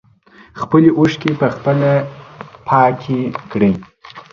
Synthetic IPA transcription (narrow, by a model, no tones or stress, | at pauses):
xpəliʔuʂkepəxpəlapʰɑkʰekɽi